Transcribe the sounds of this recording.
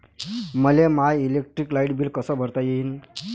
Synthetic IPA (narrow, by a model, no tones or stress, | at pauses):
məlemajilek̚ʈɾiklajiʈbiːlkəsəːbʱəɾt̪ajeɦiːn